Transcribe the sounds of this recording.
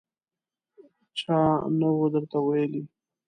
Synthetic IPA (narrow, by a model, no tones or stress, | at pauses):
t͡ʃɑnawod̪əɾt̪awajəli